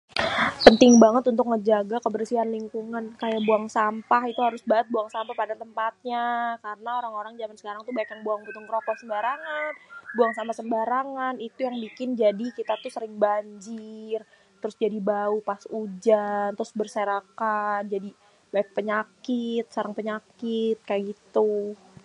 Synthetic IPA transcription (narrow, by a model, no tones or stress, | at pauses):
pənt̪ɪŋbaŋət̪unt̪ʊk̚ŋəd͡ʒaɡakəbərsianliŋkuŋankajaʔbuaŋsampaɦit̪uɦaɾʊsbaʔət̪̚buaŋsampahpadat̪əmpat̪̚ɲakaɾənaoɾaŋoɾaŋd͡ʒamansə̥kaɾaŋt̪ubaɪkjaŋbuaŋbut̪ʊŋkɾokɔhsəmbaɾaŋanbuaŋsampahsəmbaɾaŋanit̪ujaŋbikɪnd͡ʒadikit̪at̪usəɾɪŋbaɲd͡ʒɪr | t̪əɾʊsd͡ʒadibaupasud͡ʒant̪ɾʊsbərseɾakand͡ʒadi | baɪk̚pəɲakɪt̪̚saɾaŋpəɲakɪt̪̚kajaɡit̪u